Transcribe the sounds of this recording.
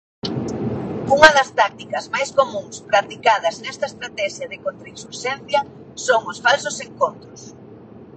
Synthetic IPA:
uŋɐðɐst̪ak̚t̪ikɐzmajskomũŋspɾat̪ikaðɐznɛst̪ɐest̪ɾat̪ɛʃjɐðɪkont̪ɾiksuɾʃɛn̟θjɐ | soŋʊsfalsʊseŋkont̪ɾʊs

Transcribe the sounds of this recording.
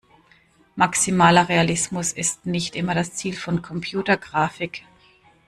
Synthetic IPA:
maksimaːlɐʁealɪsmʊsɪstnɪçtʔɪmɐɾast͡siːlfɔnkʰɔmpʰjuːtɐɡʁaːfɪk

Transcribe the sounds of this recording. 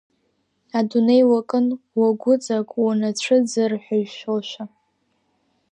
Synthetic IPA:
adunejwakʼɨnwaɡʷʊt͡sʼakʷʼwanat͡ɕʷʰɨd͡zɨrħʷᶣaɥʃolʃʷᶣa

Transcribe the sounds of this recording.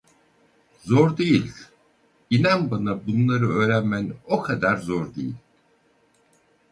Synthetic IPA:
zoɾd̪ejilʲ | inanbanabunlˠaɾɯø̞ːɾænmænokʰad̪aɾzoɾd̪ejilʲ

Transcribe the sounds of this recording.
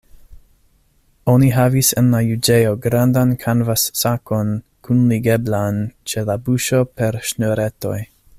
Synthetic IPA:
o̞niɦavisenlajud͡ʒejo̞ɡɾandankʰanvasːako̞n | kʰunliɡeblant͡ʃe̞labuʃo̞peɾʃnoɾeto̞̰j

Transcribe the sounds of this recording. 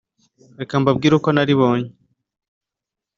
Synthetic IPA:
ɾekambab̚ɡiːɾuko̞naɾiβo̞ːɲe

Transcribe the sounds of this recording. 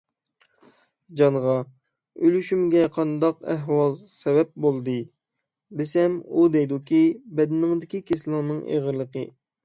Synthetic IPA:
d͡ʒɑnʁɑ | ølyʃymɡʲɛqʰɑnd̪ɑqɛɦwɑlˠsɛbɛp̚bolˠd̪ɨ | d̪esɛmud̪ɛjd̪ukʲʰibɛd̪ɪnɪŋd̪ɪkʲikʲʰeslˠɨŋnɨŋʔḛʁəɾlˠəqʰə̰

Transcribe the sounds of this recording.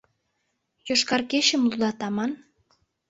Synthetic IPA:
joʃkɑrkeɕə̆mlud̪ɑt̪ɑmɑn

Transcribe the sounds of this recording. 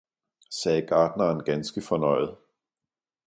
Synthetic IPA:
sɛːɡ̥ɑ̈ːd̥nɐːnɡ̥ænsɡ̥əfɒ̽nɒ̽ɪ̰ð̩ˠ

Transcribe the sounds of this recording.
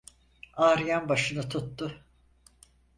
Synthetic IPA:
aːɾɯjanbaʃɯnɯt̪ʰut̪ːʊ

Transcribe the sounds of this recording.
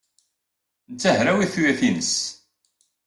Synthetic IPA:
nt͡sːæhɾæwiθujæθinəs

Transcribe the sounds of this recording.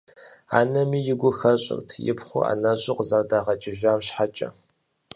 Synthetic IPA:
a̰ːnɐmiːjɪɡʷʊxɐɕʼɪ̰rtʰjɪ̰pχʷʊ̰a̰ːnɐɕʷʼɪqzardaːʁɐt͡ʃʼɪʒaːmɕħat͡ʃʼɐ̰

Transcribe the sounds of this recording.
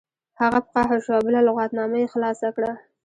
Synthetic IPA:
haɣapəqɑɦaʃabəlalʊɣɑt̪nɑmajexlɑsakɽa

